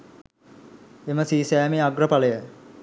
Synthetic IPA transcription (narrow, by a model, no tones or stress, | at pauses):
eməsiːsæːmeaɡrəpaləjə